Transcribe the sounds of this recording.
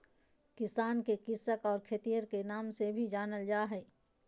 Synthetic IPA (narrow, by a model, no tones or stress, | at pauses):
kɪsaːnkekɪsəkɔːɾkʰet̪ijəɾkenaːmsebʱid͡ʒaːnəld͡ʒaːɦɛː